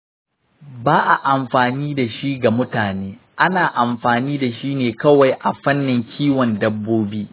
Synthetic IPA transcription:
baː˦ʔa˨ʔa˨mɸaː˨niː˦da˨ʃi˦ɡa˨mʊ˦taː˨neː˦ | ʔa˦naː˨ʔa˨mɸaː˨niː˦da˨ʃiː˦neː˨kɐ˦wa˨jʔa˨ɸɐ˦nːɪ˨ŋkʲʰiː˦wɔ˨ndɐ˦bːoː˦biː˦

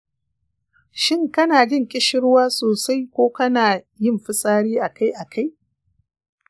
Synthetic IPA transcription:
ʃɪ˦˨ŋkɐ˦naː˨ɡɪ˦ŋkʲʼɪ˦ʃɪ˦ɽwaː˦soː˨sa˦jkʷoː˦kɐ˦naː˨ | jɪ˦˨mɸɪ˦sʼaː˦ɽiː˦ʔa˨ka˦jʔa˨kʰa˦j

